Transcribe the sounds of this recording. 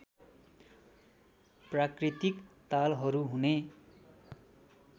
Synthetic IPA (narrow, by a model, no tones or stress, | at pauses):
prakrit̪ikt̪alɦʌɾuɦune